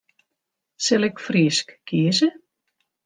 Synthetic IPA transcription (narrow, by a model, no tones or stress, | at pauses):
sɛlɛkfriːskkiːsə